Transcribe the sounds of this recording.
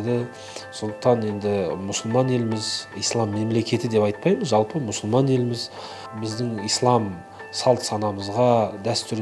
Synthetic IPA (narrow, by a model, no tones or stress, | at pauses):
d̪ɪ | so̞nd̪ə̥q̚t̪ɑne̞nd̪ɪmʊsəlˠmɑne̞lɪmɪzijslˠɑmːe̞mle̞kʲʰe̞t̪ɪd̪e̞pɑjt̪̚pɑjməzʒɑlˠpəmʊsʊlˠmɑne̞lɪmɪz | bɪzd̪ɪŋijslˠɑm | sɑlˠt̪sɑnɑməzʁɑd̪æst̪ʏɾ